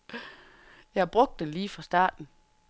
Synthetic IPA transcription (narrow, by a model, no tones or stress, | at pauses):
jɑ̈b̥ʁɔ̽ɡ̥̚d̥eliːfʁɑ̈sd̥ɑ̰̈ːd̥n̩